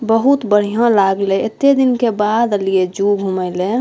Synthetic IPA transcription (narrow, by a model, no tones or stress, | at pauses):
bəɦut̪bəɽ̤ijãlaɡleet̪ed̪inkebad̪əlied͡ʒuɡʱuməɪle